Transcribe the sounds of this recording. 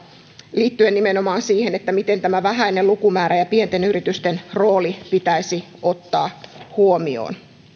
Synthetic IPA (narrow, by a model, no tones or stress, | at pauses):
liːt̪ːyennimenomɑːnsiːhenet̪ːæmit̪ent̪æmæʋæɦæinelukumæːɾæjɑpient̪enyɾit̪yst̪enroːlipit̪æisi | o̞t̪ːɑːhuomio̰ːn